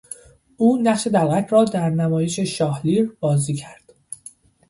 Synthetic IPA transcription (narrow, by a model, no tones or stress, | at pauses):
ʔuːnæχʃe̞d̪ælʁæt̪ʰɾɒːd̪æɾnæmɒːje̞ʃe̞ʃɒːhliːɾbɒːziːcʰæɾd̪̥